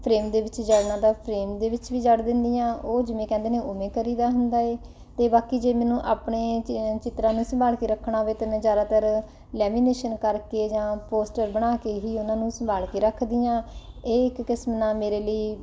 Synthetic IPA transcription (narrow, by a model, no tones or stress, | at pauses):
pʰɾeːmd̪eːʋɪt͡ʃd͡ʒəɽnãːd̪aːpʰɾeːmd̪eːʋɪt͡ʃʋiːd͡ʒəɽd̪ɪnd̪iːjãːʔoːd͡ʒɪmẽːkɛ̃nd̪eːnẽːʔoːmẽːkəɾiːd̪aːɦʊnd̪aːeː | t̪eːbaːkiːd͡ʒeːmɛ̃ːnũːʔaːpɳeːt͡ʃɪt̪ɾãːnũːsəmbaːlkeːɾəkʰːɳaːɦoʋeːt̪eːmɛ̃ːzjaːd̪aːt̪əɾ | lɛːmiːneːʃənkəɾkeːd͡ʒãːpoːsʈəɾbəɽ̃aːkeːɦiːʊnãːnũːsəmbaːlkeːɾəkʰd̪ijãːeːɪkːɪsmnaːmeːɾeːləiː